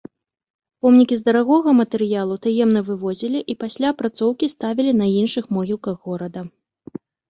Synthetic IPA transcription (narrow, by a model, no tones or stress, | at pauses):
pɔmnʲikʲizd̪ɐɾaɣɔɣɐmɐt̪ɛɾɨjalˠut̪ajɛmnɐvɨvɔzʲilʲiʔipasʲlʲapɾat̪sɔwkʲist̪avʲilʲinɐinʂɨxmɔɣʲilˠkɐɣːɔɾɐd̪ɐ